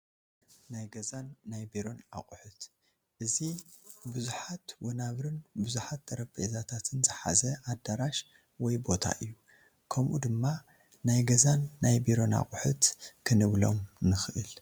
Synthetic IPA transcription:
najɡɐzanːajbiɾo̞na̰χʼuħut̪ | ʔɨzibɨzuħat̪wɐnaβɾɨnbɨzuħat̪̚ɐɾɐbḛzat̪ʰat̪ʰɨnzɨħa̰zɐʔad̪aɾaʃ | wɔjbo̞t̪ʰa̰ʔɨjːu | kʰɐmʔud̪ɨmːa | najɡɐzanːajbiɾo̞na̰χʼħut̪kʰɨnɨβlo̞̰mnɨxɨʔɨl

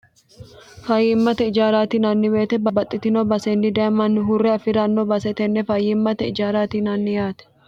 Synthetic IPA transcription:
fɐjːɪɪmːɐt̪ɛɪd͡ʒaːɾaːt̪inɐnːɪbeːt̪ɛbɐbɐt̪ʼːɪt̪ɪnɔbɐsɛnːɪd̪ɐɐmɐnːɪɦʊrːɛɐfɪɾɐnːɔbɐsɛt̪ɛnːɛfɐjɪɪmːɐt̪ɛɪd͡ʒaːɾaːt̪inɐnːɪjaːt̪ɛ̥

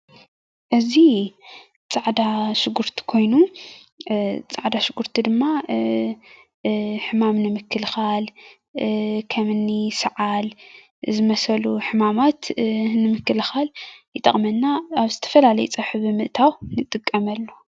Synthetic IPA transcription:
ʔɨzi | t͡sʼaʕd̪aʃɨɡuɾt̪ʰi̥kʰo̞jnu | t͡sʼaʕd̪aʃɪɡuɾt̪ʰid̪ɨmːa | ħɨmamnɨmɨkʰːɨlxal | kʰɐmɨnːisɨʕal | zɨmɐsɐluħɨmamat̪nɨmɨkːɨlxaljɨt̪ʼɐχʼmɐnːaːβzɨt̪ʰɐ̥fɐlalɐjut͡sʼɐħɨβɨmɨʔt̪ʰawnɨt̪ʼːɨkʼːɐmɐlːo

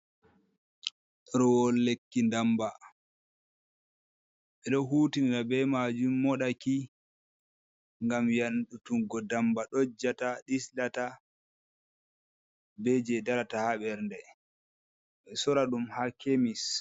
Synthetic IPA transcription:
ɔɾɔwɔlːekːindamba | ɓɛɗɔɦutindabɛmad͡ʒumːɔɗaki | ŋɡamjanɗutuŋɡɔdambaɗod͡ʒataɗislata | bɛd͡ʒɛdaɾatahaɓɛɾndɛ | ɓɛsɔɾaɗumhakʰemis

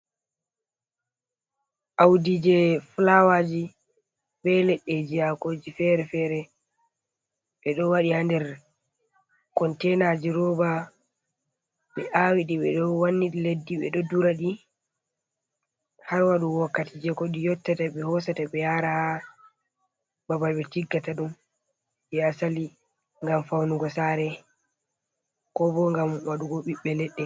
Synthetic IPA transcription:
ʔawdid͡ʒɛflawad͡ʒi | bɛlɛɗːɛd͡ʒijakoːd͡ʒifɛɾɛfɛɾɛ | ɓɛɗɔwaɗihandɛɾ | kɔntɛnad͡ʒiɾɔba | ɓɛʔawiɗiɓɛɗɔwanːiɗiledːiɓɛ̰ɗɔduɾaɗi | haɾwaɗuwɔkːatid͡ʒɛkɔɗijɔtːataɓɛhɔsataɓɛjaɾaa | babajɓɛtiɡːataɗum | ɓɛasali | ŋɡamfawnuɡɔsaɾɛ | kɔbɔŋɡamwaɗuɡoɓiɓːɛlɛɗːɛ

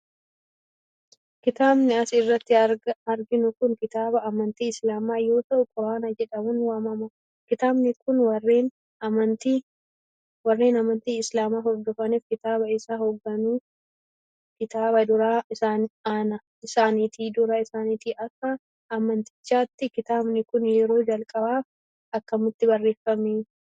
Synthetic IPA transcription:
kɪt̪aːbnɛɐsɪrːɐt̪ːɪɐɾɡɪnʊkʊŋkɪt̪aːbɐʔːmɐnt̪iːɪslaːmaːjo̞ːt̪ɐʔʊkʼɔɾaːnɐd͡ʒɛᶑɐmʊnwaːmɐmɐ | kɪt̪aːbnɛkʊnwɐrːeːn | ɐmɐnt̪i | wɐrːe̞ːnɐmɐnt̪iːɪslaːmaːɦɔɡɔfɐniːfkɪt̪aːbɐɪsaːhɔɡːɐnu | kɪt̪aːbɐd̪ʊɾaaːnːnɐ | ɪsaːnɪt̪iːd̪ʊɾɐɪsaːnɪt̪iːʔɐkːɐ | ʔɐmːɐnt̪ɪ̥t͡ʃːaːt̪ːɪkɪt̪aːbnɪkʊnjɛɾo̞ːd͡ʒɐlkʼɐbaːf | ɐkːɐmʊt̪ːɪbɐrːe̞ːfːɐmeː

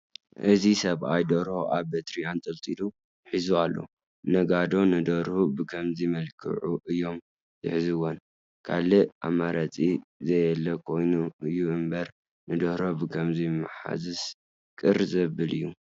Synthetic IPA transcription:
ʔɨzisɐβajd̪ɐɾoʔaβbet̪ʰɾijant̪ʼɨlt̪ʼilu | ħizualːo̞̰ | nɐɡad̪o̞nɨd̪ɐɾhubɨkʰɐmzimɐlkʰɨ̰ʕuʔɨjːo̞m | z̥ɨħzɨwon | kʰalɨʔa̰mːaɾɐt͡sʼizɐjɛlːɐkʰo̞jnuɨjːuʔɨmbɐɾ | nɨd̪ɐhɾobɨkʰɐmzimaħa̰zɨs | kʼɨɾzɐβɨlɨjːu

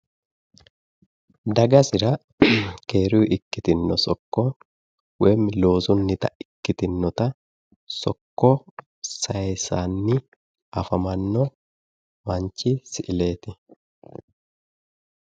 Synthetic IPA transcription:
d̪ɐɡɐsɪɾɐ | ke̞ːɾuːʔɪkːɪt̪ɪnːɔsɔkːɔ | wɛmɪlo̞ːsʊnːɪt̪ɐɪkːɪt̪ɪnːɔt̪ɐ | sɔkːɔ | sɐjsaːnːɪ | ʔɐfɐmɐnːɔ | mɐɲt͡ʃːɪsɪʔɪle̞ːt̪ɪ

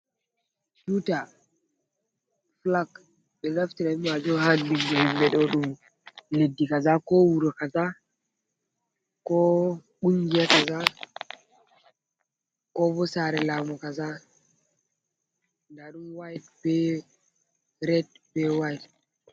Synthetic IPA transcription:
t͡ʃuta | flak | ɓɛlaftiɾamad͡ʒɔhandinɡummbɛɗɔɗum | ledːikazakɔwuɾɔkaza | kɔɓuŋɡijakaza | kɔbɔsaɾɛlamɔkaza | ndaɗumwajtbɛ | ɾɛt̚ | bɛwajt

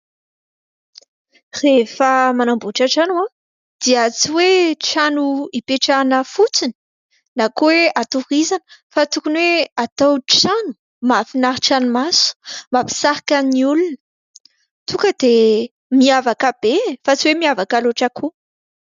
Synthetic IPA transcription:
refəmanambuʈ͡ʂaʈ͡ʂanwã | d̪̥iət͡siweʈ͡ʂanuipeʈ͡ʂanəfut͡sini̥ | nakuweat̪urizanə̥fat̪ukunweat̪awʈ͡ʂanu̥ | mafinaɾʈ͡ʂanumasu̥mapi̥saɾakəniulunə̥ | t̪ukəd̪̥e | miavakəb̥efat͡siwemiavakaloʈ͡ʂəkʰu

